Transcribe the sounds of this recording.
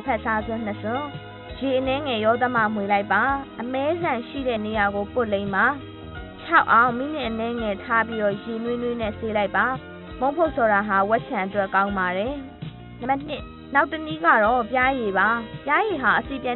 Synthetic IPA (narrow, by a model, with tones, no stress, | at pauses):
pʰɛ˦˨ʔsa˦zwʊ̃˦n̥əsʊ̃˦ | je˨ʔənɛ˦ŋɛ˨jɔ˦d̪ə˦ma̰˦˨mwe˨la˦ɪpːa˨ʔəmɛ˦zã˨ʃḭ˦˨ɾɛ̰˦˨ne˨ja˨ɡo˨pʊ˦˨lẽ˦ɪ̃ma˨ | t͡ɕʰa˦ʊʔã˦ʊ̃mḭ˦˨lɪ̃˨ʔə˨nɛ˦ŋɛ˨tʰa˦pi˦ɾɔ˦˨je˨nwɪ˦nwe˦nɛ˦˨se˦la˦ɪpːa˨ | mõ˦ʊ̃pʰo˦ʊʔsʰɔ˨ɾa˨ɦa˨wɛ˦ʔ̚t͡ɕʰã˨ʔətwɛ˦ʔkã˦ʊ̃mba˨ɾɛ˨ | ɪ˦ | na˦ʊtːə˨ni˦ɡa̰˦˨ɾɔ˦˨pja˦je˨βa˨pja˦je˨ɦa˨ʔəse˦˨pjã˨